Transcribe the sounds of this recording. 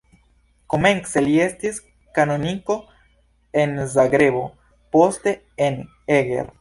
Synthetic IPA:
ko̞me̞nselie̞stis | kano̞niko̞ | e̞nzaɡɾe̞bo̞ | po̞ste̞ | en | eɡḛɾ

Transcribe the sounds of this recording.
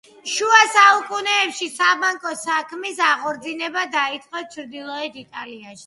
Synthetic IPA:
ʃuasaukʼunɛːpʃisabaŋkʼɔsakʰmisaʁɔɾd̪zinɛbad̪ait̪sʼqʼɔt͡ʃʰɾd̪ilˠɔɛt̪it̪ʼaliaʃi̥

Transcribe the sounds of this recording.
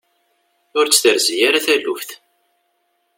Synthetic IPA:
ʊɾt͡sːθəɾzijaɾaθælufθ

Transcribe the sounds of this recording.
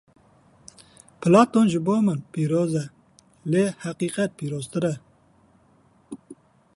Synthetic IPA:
pʰɨlɑːt̪onʒɪboːmɨnpiːɾoːzɛ | leːhæqiːqɛt̪̚pʰiːɾoːzt̪ɨɾɛ

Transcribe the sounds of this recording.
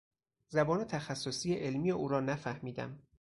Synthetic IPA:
zæbɒːnet̪ʰæxæsːosiːjeʔelmiːjeʔuːɾɒːnæfæhmiːd̪æ̰m

